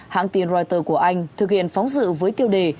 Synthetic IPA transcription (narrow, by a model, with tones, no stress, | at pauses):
ha̰ː˧˨ŋt̪i˨˩nzɔ˧jt̪əː˧˩ku˧˩əʔa˧jŋ̟t̪ʰɨ˨˩k̚hḭ˧˨ənfɔ˨˦wŋ͡mzɨ̰˧˨vəː˨˦jt̪i˧əwɗe˨˩